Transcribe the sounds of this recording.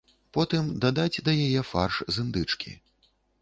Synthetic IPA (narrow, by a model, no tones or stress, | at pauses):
pɔt̪ɨmd̪ad̪ad͡zʲd̪ɐjajɛfa̰rʂzɨnd̪ɨt͡ʂkʲḭ